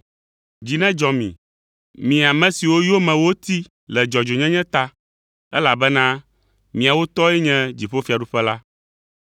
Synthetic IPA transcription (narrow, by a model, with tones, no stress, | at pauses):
d͡ʑi˨nɛ̃˦d͡ʒɔ˨mḭ̃˨ | mĩ˨a˨mɛ̃˨˦si˨wo˦jo˦mɛ̃˨wo˦t̪i˦ | lɛ˨d͡ʒɔ˨d͡ʒo˨ɲɛ̃˦ɲɛ̃˦t̪a˦ | ɛ˦la˨bɛ˦nã˦ | mĩ˨a˨wo˦t̪ɔ˦ɛ˦ɲɛ̃˦d͡ʑi˨ɸo˦fi˨a˨ɖu˦ɸɛ˦la˦